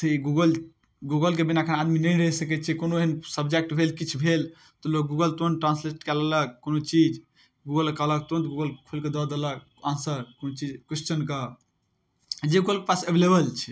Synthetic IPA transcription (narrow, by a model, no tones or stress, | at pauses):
t̪ʰiɡuɡəl | ɡuɡəlk̬ebinakʰənad̪minəjɾəsəkɛt͡ʃʰikonoeənsəbd͡ʒek̚ʈbʱelkit͡ʃʰbʱel | t̪ɔlok̚ɡuɡəlt̪onʈɾãnsleʈkɛlalək̚kːonot͡ʃid͡ʒ | ɡuɡəlkalək̚t̪ont̪ɡuɡəlkʰulked̪ɔd̪elək̚ | ansəɾkonot͡ʃid͡ʒkest͡ʃənka | d͡ʒeuɡəlkepasebʱelebəlt͡ʃʰɛ